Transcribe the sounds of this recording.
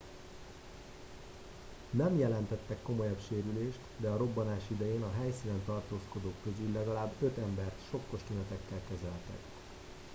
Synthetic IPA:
nɛmjɛlɛnt̪ɛt̪ːɛkːo̞mo̞jɒbʃeːɾyleːʃt̪d̪ɛɒɾo̞bːɒnaːʃid̪ɛjeːnɒɦɛjsiːnɛnt̪ɒrt̪oːsko̞d̪oːkːøzylɛɡɒlaːbø̞t̪ɛmbɛrt̪ʃo̞kːoʃt̪enɛt̪ɛkːɛlkɛzɛlt̪ɛ̰k

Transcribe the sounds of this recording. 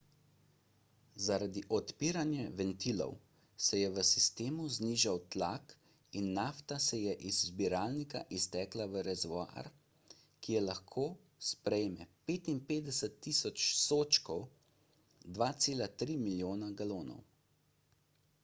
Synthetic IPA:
zaɾad̪iʔɔt̪piːɾanjɛʋɛnt̪ilɔ̰w | sɛjɛʋəsist̪eːmuzniːʒawt̪lak | inːaft̪asɛjɛʔizbiɾaːlnika̰ʔist̪ɛːklaʋəɾɛzʋɔa̰ɾ | kijɛlaxkʰoː | spɾɛjmɛpeːt̪inpeːd̪ɛsət̪ːiːsɔt͡ʃsoːt͡ʃkɔw | d̪ʋaːt̪seːlat̪ɾiːmiljoːnaɡaloːnɔ̰w

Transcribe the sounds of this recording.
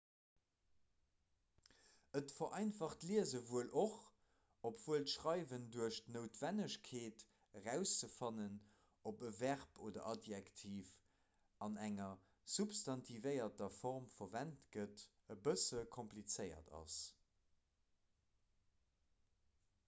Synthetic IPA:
ətfɐʔɑɪnfɑχtliəzəvuəlʔoχ | opv̥uəltʃʁɑɪvənduəʃtnoʊtv̥ænəɕkʰeːt | əʁæʊst͡səfɑnən | opəvæʁpʰoːdɐ̰ʔɑdjæktʰiːf | ɑnæŋɐ | zupstɑntʰivəɪɐtɐfɔʁmfɐvæntɡət | əbəsəkʰomplit͡sɜɪɐ̰tʰɑ̰s

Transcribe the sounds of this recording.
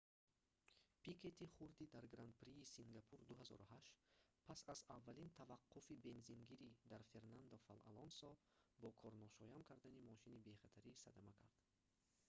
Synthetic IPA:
pikʰe̞t̪iχuɾd̪id̪aɾɡɾant̪̚pɾiːsiŋɡapʰuɾd̪uɦazɔ̰ɾuhaʃt̪pʰasazavːalint̪ʰavaqʰːufibe̞nzinɡiɾid̪aɾfe̞ɾnand̪ɔfala̰lɔnsɔ | bɔkʰɔɾnɔʃɔjamkʰaɾd̪animɔʃinibe̞χat̪ʰaɾisad̪amakʰaɾd̪̥

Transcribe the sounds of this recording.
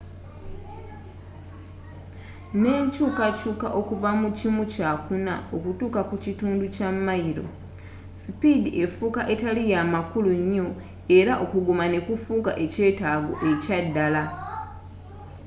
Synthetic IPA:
ne̞ːɲcuːkacuːkaʔo̞kuvamucimucaːkunao̞kutuːkakucituːnducamːaiɾo̞̰ | sipidiʔe̞fukaʔe̞talijamakuluɲːo̞ | e̞ɾaʔo̞kuɡumane̞kufuːkaʔe̞ce̞ːtaːɡo̰ʔe̞cadːala

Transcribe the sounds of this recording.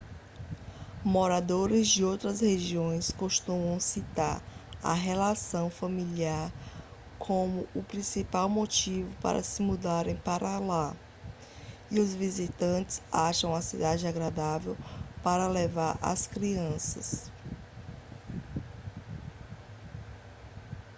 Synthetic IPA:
moɾad̪oɾɪzd͡ʒɪowt̪ɾɐsheʒiõj̃skoʃt̪ũmɐ̃w̃sit̪aɾɐ̰ɦelasɐ̃w̃fɐmiliaɾ | kʰõmʊʊpɾĩsipawmot͡ʃivʊpa̰ɾɐ̰sɪmud̪aɾẽj̃paɾʔala | iʊzvizit̪ɐ̃t͡ʃɪ̥zaʃɐ̃w̃ɐsid̪ad͡ʒɪaɡɾad̪avewpaɾɐlevaɾʔa̰skɾiɐ̃sɐs

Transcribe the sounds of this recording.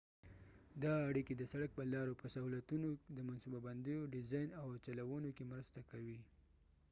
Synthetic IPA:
d̪ɑːɽiked̪əsaɽak̚pəlɑɾopəsahulat̪unod̪əmansubaband̪əjoɖɪzɑjnawt͡ʃalawunokemɾəst̪akawi

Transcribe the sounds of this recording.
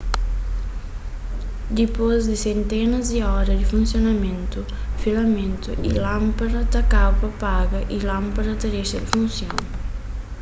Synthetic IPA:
d̪ipozd̪isent̪ɛnɐziɔɾɐd̪ifunsjonament̪u | filament̪ṵʔḭlampaɾɐt̪akawpɐpaɡɐʔilampaɾɐt̪aɾeʃɐd̪ifunsjo̰ŋ

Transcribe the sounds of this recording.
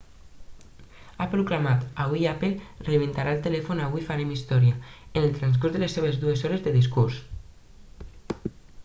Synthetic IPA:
apɾuklamat̪aβuiapelreβent̪aɾalˠt̪elɛfunaβuifaɾemist̪ɔɾjaenelˠt̪ɾans̬kuzðəlesːeβ̞ezðuezɔɾezðəðis̬kuɾs

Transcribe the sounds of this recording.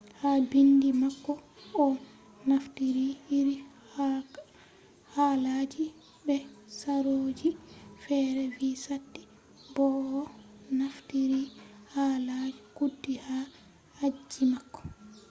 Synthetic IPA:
haːbindimakːɔɔ | naftiɾiiɾi | halad͡ʒi | bɛsaɾoːd͡ʒifɛɾɛvisatːi̥ | bɔːnaftiɾihalad͡ʒikudːiha | had͡ʒːimakːɔ̥

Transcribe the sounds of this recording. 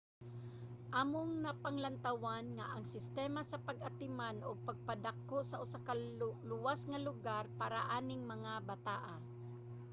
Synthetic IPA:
ʔamoŋnapaŋlant̪awanŋaʔaŋsɪst̪ɛːmasɐpɐɡʔat̪ɪmanoɡ̚pɐɡ̚pad̪akːoʔsɐʔʊsakalʊwasŋɐlʊɡaɾpaːɾaʔaːnɪŋmɐŋabat̪aːʔa

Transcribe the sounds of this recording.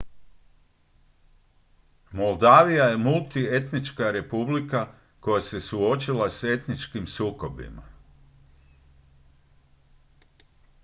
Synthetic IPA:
mo̞lˠd̪aːʋijaje̞mulˠt̪ie̞t̪nit͡ʃkaɾe̞publika | ko̞jase̞suo̞t͡ʃilase̞t̪nit͡ʃkimsuːko̞bḭma̰

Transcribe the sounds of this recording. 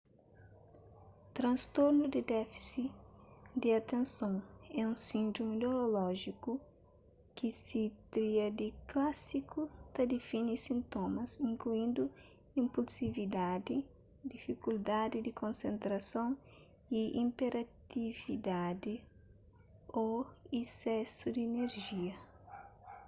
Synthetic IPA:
t̪ɾɐ̃nst̪oɾnud̪ɪd̪ɛfi̥si | d̪ɪɐt̪ẽnsõŋɛũsĩnd̪ɾominoɾolɔʒiku | kɪsɪt̪ɾiɐd̪ɪklasikut̪ɐd̪ɪfinisĩnt̪omɐzĩŋkluĩnd̪ʊ | ĩmpulsivid̪ad̪ɪ | d̪ifikuld̪ad̪ɪd̪ɪkõnsẽnt̪ɾɐsõw̃ | iĩmpeɾat̪ivid̪ad̪ɪ | oesɛsʊd̪ɪːneɾʒiɐ

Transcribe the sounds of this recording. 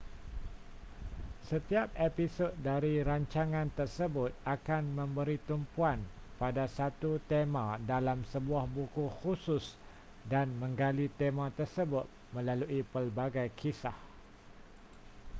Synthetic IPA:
sət̪iap̚episod̪̚daɾiɾaɲt͡ʃaŋãnt̪ərsəbʊt̪̚akanmə̃mbəɾit̪umpuanpadasat̪ut̪emãdalamsəbuahbukuxusʊs | danmə̃ŋɡalit̪emãt̪ərsəbʊt̪̚mə̃laluʔipəlbaɡajkʰisah

